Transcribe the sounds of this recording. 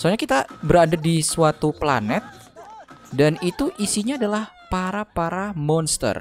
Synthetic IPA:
saɲakit̪abəɾadadisuat̪upla̰nɛt̪̚ | danit̪uʔisiɲaːdalahpaɾapaɾamɔnst̪ə̰r

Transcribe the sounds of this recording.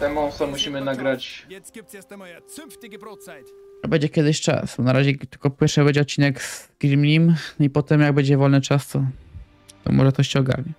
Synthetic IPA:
t̪ɛmɔ̃sɔmuɕimɘnaɡɾat͡ɕ | ɛbɛɲd͡ʑɛkʲɛd̪ɘɕt͡ʂa̰snaɾaʑɛt̪ɘ̥lkɔpɔpʲɛɾfʂɨbɛɲd͡ʑɛɔt̪̚t͡ɕːinɛɡz̥ɡɾimʲlʲimnipɔt̪ɛmjaɡ̚bɛɲd͡ʑɛvɔlnɘt͡ʂast̪ɔ | t̪ɔ̰mɔ̰ʐɛt̪ɔɕt͡ɕɛɔɡa̰ɾɲɛ

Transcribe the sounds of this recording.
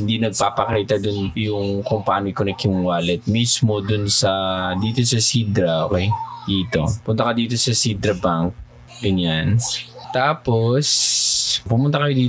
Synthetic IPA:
hɪnd̪inɐɡ̚paːpɐkiːt̪ɐd̪ʊnjʊŋkompɐaʔaːnjkʊnɛkjʊŋwaːlɛt̪̚mismod̪ʊnsɐd̪iːt̪o̞sɐsid̪ɾɐʔo̰kejd̪iːt̪o̞̰pʊnt̪ɐkɐd̪iːt̪o̞sɐsid̪ɾɐbaŋk̚ | ɡɐɲant̪aːpo̞s | pʊmʊnt̪ɐkɐjod̪iː

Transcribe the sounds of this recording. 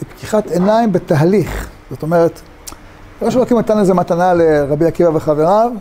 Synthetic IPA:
epkiχatenaimbetaɦaliχ | z̥ot̪o̞meʁet̪ | loʃelokimnatanlezematanaleʁabiakivaveχave̞ʁav

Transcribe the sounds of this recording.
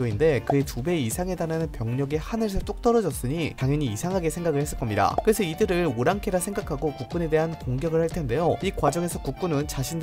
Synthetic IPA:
oinde̞kɯetube̞isʰaŋe̞daɾanɯnpjʌŋɲʌɡehanɯɭsʰɯt͈ok̚t͈ʌɾʌd͡ʑʌs͈ɯɲitaŋjʌɲiːsʰaŋɦaɡe̞sʰe̞ŋɡaɡɯɭhe̞s͈ɯɭk͈ʌmɲida̰kɯɾe̞sʰʌidɯɾɯɾoɾaŋkʰe̞ɾasʰe̞ŋɡakʰaɡokuk̚k͈une̞de̞ɦankoŋɡjʌɡɯɭhaɭtʰe̞nde̞joikwad͡ʑʌŋe̞sʰʌkuk̚k͈unɯnt͡ɕaɕʰind

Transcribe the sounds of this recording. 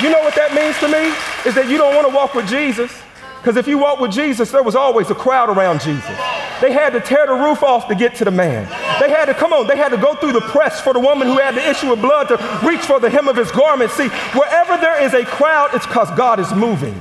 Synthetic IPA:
jɨnoʊwʌt̪̚ðɨt̚mĩnz̥tʰɨmiɨzðɨt͡ʃɨɾõʊ̃nʔwɑ̃ñəwɔkwɨðd͡ʒizɨs | kʰʌzɨfjɨwɔkwɨðd͡ʒizɨsðə˞wʌzɔlˠwizəkʰɹ̥aʊɾə˞ãʊ̃nd͡ʒizɨ̰sðeɪɨd̚tɨtʰɛɹðəɹufɔftɨɡɛtʰɨðɨmæ̰̃nðeɪɨd̚tɨkʰʌ̃mõʊ̃nðeɪɨd̚tɨɡoʊθɹʉðəpʰɹ̥ɛsfə˞ðəwʊmə̃nhuɨd̚tɨɪʃʉʌvblʌd̚tɨɹit͡ʃfə̃˞ðɨɦɪ̃mʌv̥ɨzɡɑɹmɨ̃ntsi | wə˞ʔɛvə˞ðə˞ɪzɨkʰɹ̥aʊɾɨtskʰʌzɡɑɾɨzmuvɪ̰̃ŋ

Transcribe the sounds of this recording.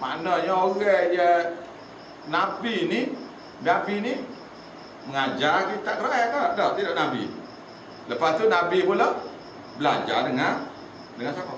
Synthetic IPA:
ma̰nɔɲəoɣɛʔjə | nabini | nabini | məŋad͡ʒakit̪aʔkəɾakajakadɔʔt̪idɔʔnabḭ | ləpast̪unabipula | bəlaɲd͡ʒadəŋan | dəŋansakɔʔ

